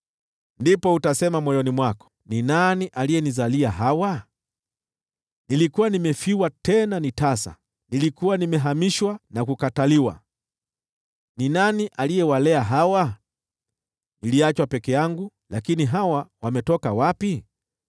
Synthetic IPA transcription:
ndipɔutasɛmamwajɔnimwakɔ̥ninaniʔalijɛnizaliaɦawa | nilikuwanimɛfiwatɛnanitasa̰ | nilikuwanimɛɦamiʃwanakukataliwa̰ | ninaniʔalijɛwalɛaɦawa | niliat͡ʃwapɛkɛjaŋɡu | lakiniɦawawamɛtɔkawapi

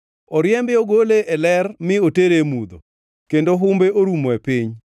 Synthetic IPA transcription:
ɔɾjɛmbɛoɡoleʔɛlɛrmɪoteɾemud̪o̰ | kendoɦʊmbeʔoɾumoepɪɲ

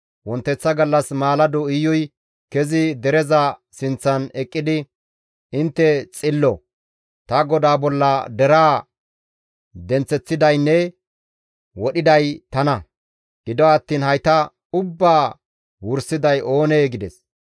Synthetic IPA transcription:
wɔnt̪ːɛt͡sːɐɡɐlːɐsmaːlɐd̪ɔɪjːɔj | kɛzɪd̪ɛɾɛzɐsɪnt͡sːɐnɛkʼːɪd̪ɪ | ɪnt̪ːɛt͡sʼɪlːɔ | t̪ɐɡɔd̪aːbɔlːɐd̪ɛɾaː | d̪ɛnt͡sːɛt͡sːɪd̪ɐjnːɛ | wɔɗɪd̪ɐjt̪ɐnɐ | ɡɪd̪ɔɐt̪ːiːnhɐjt̪ɐ | ʊbːaː | wʊɾsɪd̪ɐjʔo̞ːneːɡɪd̪ɛs

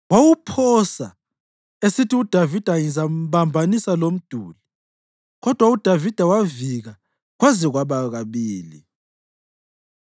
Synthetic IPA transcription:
wawupʰɔsa̰ | esitʰiud̥ʱavid̥ʱajizaβambʱanisalom̩d̥ʱuːli | ɣɔd̥ʱwaud̥ʱavid̥ʱawaviɣa | ɣwazɛɣwaβaɣaβiːli

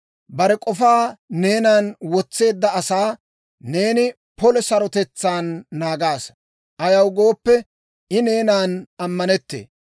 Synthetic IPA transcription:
bɐɾɛkʼɔfaːne̞ːnaːnwɔt͡sːe̞ːd̪ːɐɐsaː | ne̞ːnɪ | pɔlɛsɐɾɔt̪ɛt͡sːaːnːaːɡaːs | ʔɐjɐwɡo̞ːpːɛ | ʔɪne̞ːnaːnɐmːɐnɛt̪ːḛː

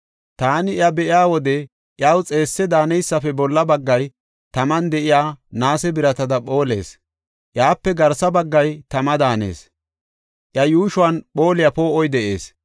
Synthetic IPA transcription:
t̪aːnɪʔjɐbɛʔɪaːwɔd̪ɛ | ʔjawt͡sʼe̞ːsːɛd̪aːnɛjsːɐfɛbɔlːɐbɐɡːɐj | t̪ɐmɐnd̪ɛʔɪjaːnaːsɛbɪɾɐt̪ɐd̪ɐpʼo̞ːle̞̰ːs | ʔɪaːpːɛɡɐɾsɐbɐɡːɐjt̪ɐmɐd̪aːnḛːs | ʔjɐjuːʃʊwɐnɓo̞ːlɪjɐpoːʔɔjd̪ɛʔe̞ːs

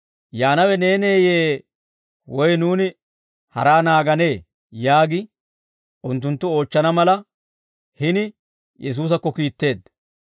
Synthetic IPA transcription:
jaːnɐwɛne̞ːneːjeː | wɔjnuːnɪ | hɐ̰ɾaːnaːɡɐne̞ː | jaːɡɪ | ʔʊnt̪̬ːʊnt̪ːʊo̞ːt͡ʃːɐnɐmɐlɐ | hɪnɪ | jʔɛs̬uːs̬ɐkːɔkiːt̪ːe̞ːd̪

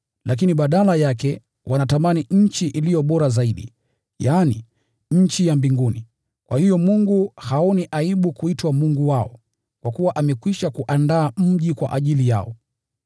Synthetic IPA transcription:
lʔak̬iniɓaɗalajakɛ | wʔanatamaniɲ̩t͡ʃiʔilijɔɓɔɾazaiɗḭ | jaːni | ɲ̩t͡ʃijambiŋɡuni | kwʔahijɔmuŋɡuhauniʔaiɓukuitwamuŋɡuwaɔ | kwakuwaʔamɛkwiʃakuʔandaːm̩ʄikwa̰ʔaʄilija̰ɔ

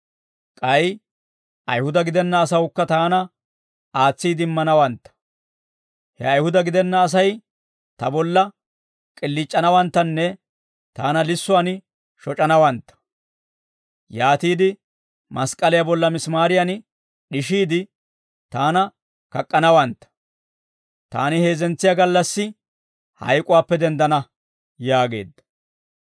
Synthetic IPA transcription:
kʼɐj | ʔɐjhʊd̪ɐɡɪd̪ɛnːɐːsɐwʊkːɐt̪aːnɐ | aːt͡sːiːd̪ɪɪmːɐnɐwɐnt̪ːɐ̥ | hɛ̰ɐjhʊd̪ɐɡɪd̪ɛnːɐːs̬ɐj | t̪ɐbɔlːɐ | kʼɪlːɪt͡ʃʼːɐnɐwɐnt̪ːɐnːɛ | t̪aːnɐlɪsːʊan | ʃɔt͡ʃʼɐnɐwɐnt̪ːɐ̥ | jaːt̪iːd̪ɪ | mɐskʼɐlɪjɐbɔlːɐmɪsmaːɾɪjɐn | ɗɪʃiːd̪ɪ | t̪aːnɐ | kɐkʼːɐnɐwɐnt̪ːɐ̥ | t̪a̰ːnɪhe̞ːzɛnt͡sːɪjaɡɐlːɐsːɪ | hɐ̰jkʼʊwaːpːɛd̪ɛnd̪ɐnɐ | jaːɡe̞ːd̪ːɐ̥

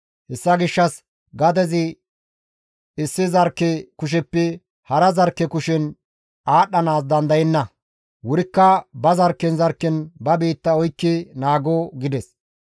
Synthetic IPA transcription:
hɛsːɐɡɪʃːɐs | ɡɐd̪ɛzɪ | ɪsːɪzɐɾkːɛkʊʃ̬ɛpːɛ | hɐɾɐzɐɾkːɛkʊʃɪn | ʔaːɗːɐnaːs̬d̪ɐnd̪ɐjɛnːɐ | wʊɾɪkːɐbɐzɐɾkːɛnzɐɾkːɛnbɐbiːt̪ːɐɔjkːɪnaːɡoɡɪd̪ɛs

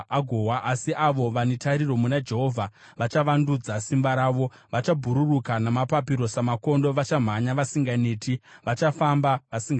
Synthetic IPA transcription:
aɡʱowaʔasiʔaʋo̞ʋanetaɾiro̞munad͡ʒe̞ɦo̞vʱa | ʋat͡ʃaʋandud͡zasimbaɾaːʋo̞ | ʋat͡ʃabʱuɾurukanamapapiɾo̞samako̞ndo̞ʋat͡ʃam̤aɲaʋasiŋɡaneːtiʋat͡ʃafambaʋasiŋɡ

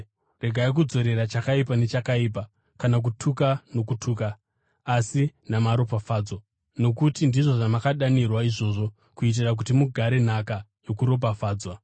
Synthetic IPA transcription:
re̞ɡʱaik̬ud͡zo̞ɾe̞ɾat͡ʃakaipane̞t͡ʃakaiːpa | kanak̬utʰukano̞kutʰuːkaː | sinamaɾo̞pafaːd͡zwa | no̞kutindiʐo̞ʐamakaɗanirwaiʐo̞ːʐo̞ | kuit̬irak̬utimuɡʱaɾe̞n̤akajo̞kuɾo̞p̬afaːd͡zwa

